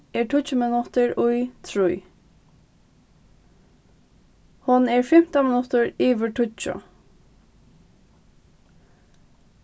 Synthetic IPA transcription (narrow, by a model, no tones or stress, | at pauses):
ɛʈʰʊt͡ʃəmɪnʊt̪əɹʊjt̪ʰɹʊj | hʊnɛɹfɛm̥t̪amɪnʊt̪əɹiːʋəʈʰʊt͡ʃɔ̰